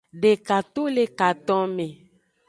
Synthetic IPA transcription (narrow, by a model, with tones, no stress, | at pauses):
ɖe˨ka˨t̪o˦le˦ka˨t̪ɔ̃˦mẽ˨